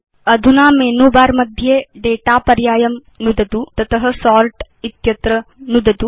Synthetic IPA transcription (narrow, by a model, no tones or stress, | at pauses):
ɐd̪ʱunaːmeːnuːbaːɾmɐd̪ʱjeːɖeːʈaːpɐɾjaːjɐm | nud̪ɐt̪ut̪ɐt̪ʰɐɦɐ̆sɔːɾʈ | it̪jɐt̪ɾɐnud̪ɐt̪u